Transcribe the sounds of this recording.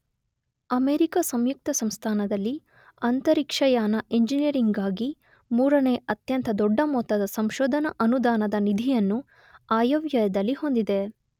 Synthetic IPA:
ɐmeːɾikɐsɐmjuk̚t̪ɐsɐmst̪ʰaːnɐd̪ɐlːi | ɐnt̪ɐɾikʂɐjaːnɐʔeɲd͡ʒinijɐɾiŋɡaːɡi | muːɾɐneːɐt̪jɐnt̪ʰɐd̪ɔɖːɐmɔːt̪ːɐd̪ɐsɐmʃɔːd̪ʱɐnɐʔɐnud̪aːnɐd̪ɐnid̪ʱijɐnːu | aːjɐʋjɐjɐd̪ɐlːiho̞nd̪id̪e

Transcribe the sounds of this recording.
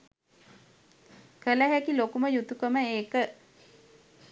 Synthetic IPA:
kələɦækilokuməjut̪ukəməeːkə

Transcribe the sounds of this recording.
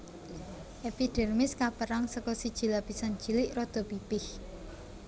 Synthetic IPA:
ʔepiɖ̥ɛ̤rmɪskapəɾaŋsəkɔsid̥ʒ̥i̤lapisan̥d͡ʒilɪʔrɔd̪̥ɔ̤pipɪh

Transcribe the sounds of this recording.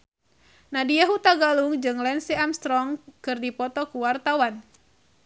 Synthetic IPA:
nadijaɦut̪aɡaluŋd͡ʒɨŋlɛnsiamst̪ɾɔŋkɨrdipɔt̪ɔkuwart̪awan

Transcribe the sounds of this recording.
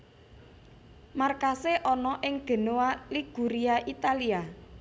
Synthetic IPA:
markaseʔɔnɔʔɪŋɡ̥ə̤nowaliɡ̥ṳɾiaʔit̪alia

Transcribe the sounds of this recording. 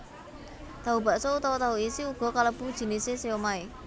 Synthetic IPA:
t̪aɦuba̤ʔsɔut̪awɔt̪aɦuisiuɡ̥ɔ̤kaləb̥ud̥ʒ̥i̤niseseomae

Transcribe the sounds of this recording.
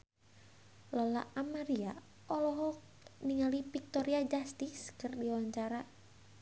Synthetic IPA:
lɔla̰ʔamaɾia | ɔlɔɦɔ | niŋalipik̚t̪ɔɾiad͡ʒast̪iskɨrdiwaɲt͡ʃaɾa

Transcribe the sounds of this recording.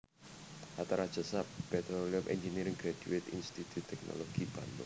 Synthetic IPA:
ʔat̪aɾad̥ʒ̥ə̤sap̚pɛt̪ɾoliʊmʔɛnd͡ʒiniɾɪŋɡɾad̥uet̪inst̪it̪ʰut̪ʰːɛk̚no̰loɡ̥ib̥a̰nd̪ɔ̰

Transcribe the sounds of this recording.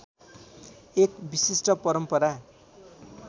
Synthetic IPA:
ekbisisʈʌpʌɾʌmpʌɾa

